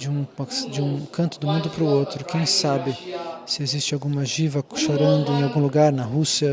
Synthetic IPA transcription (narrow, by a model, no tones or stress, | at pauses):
d͡ʒɪũɐd͡ʒɪũkɐ̃nt̪ʊd̪ʊmũnd̪ʊpɾʊowt̪ɾʊkʰẽj̃sabɪsɪezist͡ʃɪawɡũmɐʒivɐʃoɾɐ̃nd̪ʊẽj̃awɡũluɡaɾnɐɦusiɐ